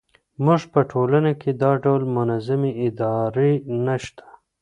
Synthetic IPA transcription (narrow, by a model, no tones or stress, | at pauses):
muʐpəʈʰolanakʰed̪ɑɖawlmʊnazameɪd̪ɑɾenaʃt̪ḁ